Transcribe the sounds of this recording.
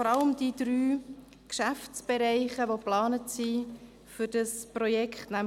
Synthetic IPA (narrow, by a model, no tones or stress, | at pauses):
fɔɾɑləmd̥id̥ɾyː | kʃæft͡sb̥ɛɾɛɪχəʋoplɑːnətsi | fʏɾd̥ɑsprojɛkʰχtnæm